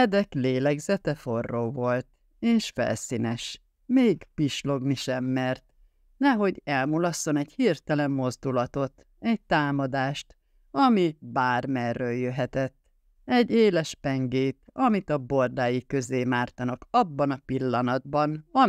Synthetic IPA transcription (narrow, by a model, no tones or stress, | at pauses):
ɛd̪ɛkleːlɛɡzɛt̪ɛfo̞rːoːvo̞lt̪ | eːʃfɛ̰lsiːnɛʃ | meːɡpiʃlo̞ɡniʃɛmːɛrt̪ | nɛɦo̞ɟɛlmulɒsːo̞nɛɟhirt̪ɛlɛmːo̞zd̪ulɒt̪o̞t̪ | ɛɟ̚t̪aːmɒd̪aːʃt̪ | ɒmibaːrmɛrːøːljøɦɛt̪ɛt̪ː | ɛɟːeːlɛʃpɛŋɡeːt̪ɒmit̪ɒbord̪aːjikøzeːmaːrt̪ɒnɒkɒbːɒnɒpilːɒnɒd̪̚bɒnɒ